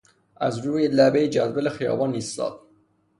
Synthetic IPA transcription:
æzɾuːjelæbejed͡ʒæd̪bælexijɒ̰ːbɒːnist̪ɒ̰ːd̪̥̚

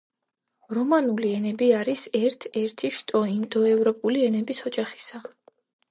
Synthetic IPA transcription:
ɾɔmanuliɛnɛbiaɾisɛɾt̪ʰɛɾt̪ʰiʃt̪ʼɔimd̪ɔɛvɾɔpʼuliɛnɛbisɔd͡ʒaχi̥sa

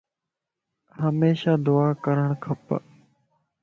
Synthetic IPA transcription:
ɦəmeːʃaːd̪ʊaːkəɾəɳ̃kʰəp

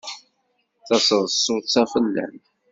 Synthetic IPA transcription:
θɑsəðˤsˤːʊt̪t͡sæfəlːæ̰n

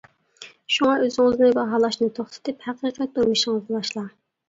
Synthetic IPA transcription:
ʃuŋɑʔøzɪŋɪznɪbɑɦɑːlˠɑʃnɨt̪ʰoχt̪ʰɪ̥t̪ʰɪphæqiqʰɛt̪̚uɾmɪʃɪŋɨznɨbɑʃlˠɑ

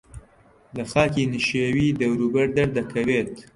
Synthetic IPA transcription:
lɐxaːkinɨʃewiːd̪ɐwɾuːbɐɾd̪ɐɾd̪ɐkʰɐweːt̪

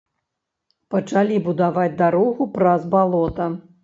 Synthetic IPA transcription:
pɐt͡ʂalʲibud̪avad͡zʲd̪aɾɔɣupɾazbalˠɔt̪ɐ

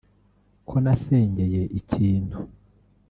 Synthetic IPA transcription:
kʰo̞nase̞ːɲɟe̞je̞ʔicʰiːnhu

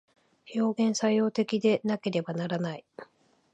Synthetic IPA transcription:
ço̞ːɡẽ̞ɰ̃saijo̞ːt̪e̞kʲid̪e̞nake̞ɾe̞banaɾanai

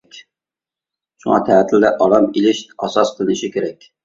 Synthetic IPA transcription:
kʲ | ʃuŋɑ̰t̪ʰæɦt̪ʰɪld̪ɛʔɑlˠɑmilɪʃɑsɑsqʰəlˠɨnɪʃikʲʰeɾɛkʲ

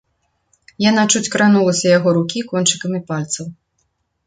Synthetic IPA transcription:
janat͡ʂut͡sʲkɾan̪ulˠɐsʲɐjaɣɔɾukʲikɔnt͡ʂɨkɐmipalʲt̪sɐw

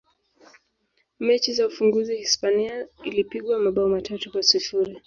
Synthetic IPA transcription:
mɛt͡ʃizaufuŋɡuzihispaniailipiɠwamaɓaɔmatʰatukwasifuɾi

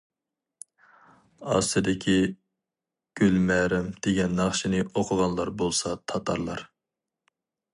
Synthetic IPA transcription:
ɑ̰st̪ɨd̪ɪkʲʰi | ɡ̥ʲylmæɾɪmd̪̥eɡʲɛnːɑχʃinɨoqʰʊʁɑnlˠɑɾbolˠsɑt̪ʰɑt̪ʰɑ̰ɾlˠɑ̰ɾ

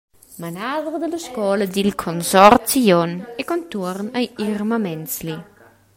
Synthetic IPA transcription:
manaːðɾəd̪ələskɔːləd̪ilkʰonsɔrt̪t͡sijɔnɛkont̪urnajirmamɛnsli

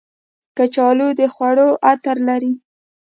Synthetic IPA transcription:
kət͡ʃɑlod̪əxwaɽoʔat̪aɾlaɾi

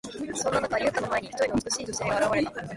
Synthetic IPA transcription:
sõ̞nːanakajɯkːanomaeɲ̟içi̥t̪oinot͡sɨ̥kɯ̟ɕiːt̪oseɡaaɾaβaɾe̞t̪a

